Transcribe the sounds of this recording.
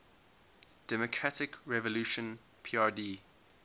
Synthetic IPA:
d̥ɛmɔkʰɹatɪkɹɛvɔluʃə̃n | pʰiːadiː

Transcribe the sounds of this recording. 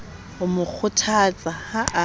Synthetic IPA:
ʊmʊk͡xʰʊtʰat͡sʼahaʔa

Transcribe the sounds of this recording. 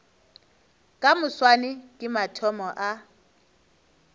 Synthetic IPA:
kʼamʊswanɪkʼɪmatʰɔmɔʔa

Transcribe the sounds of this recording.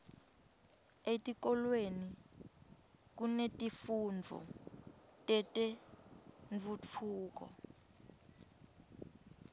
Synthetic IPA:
etʼik̬ɔlweni | k̬unetʼifund͡vʱṵ | tʼɛtʼɛ | ɱvut͡fʰuːk̬ɔ̰

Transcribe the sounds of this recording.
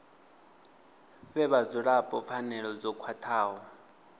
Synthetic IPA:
ɸɛβazɔɺapʼɔp̪fʰanɛɺɔd͡zɔkʰwatʰaːɦɔ

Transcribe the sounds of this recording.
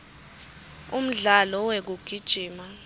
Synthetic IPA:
um̩ɮalɔwek̬uɡ̥ʱid̥ʒ̥ʱiːma

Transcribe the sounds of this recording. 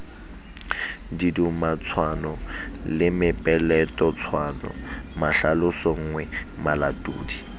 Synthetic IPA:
didumat͡sʰwanɔlɪmɪpʼɛlɛtʼɔt͡sʰwanɔ̰maɬalʊsɔŋ̩ːŋwɛmalatʼṵːdi

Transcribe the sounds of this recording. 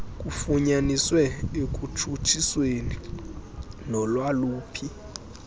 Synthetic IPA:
k̬ʼufuɲaniswɛek̬ʼut͡ʃʰut͡ʃʰisweni | nɔlwaluːpʰi

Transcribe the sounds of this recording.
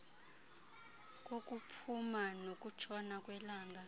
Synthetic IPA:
k̬ʼokʼupʰumanok̬ʼut͡ʃʰɔnakʼwɛlaːŋɡʱa

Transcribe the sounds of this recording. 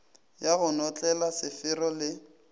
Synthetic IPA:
jaɣʊnɔt͡ɬʼɛlasɪfɪɾɔlɪ

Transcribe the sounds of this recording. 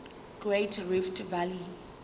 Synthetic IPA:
ɡ̥ɹetʰɹiftʰvali

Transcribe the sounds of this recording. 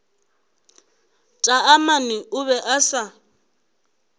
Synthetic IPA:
tʼaamaniʊβɛʔasa

